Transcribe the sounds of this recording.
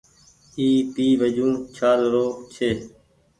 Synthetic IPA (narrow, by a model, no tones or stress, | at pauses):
iːt̪iːʋəd͡ʒũːt͡ʃʰaːzɾoːt͡ʃʰeː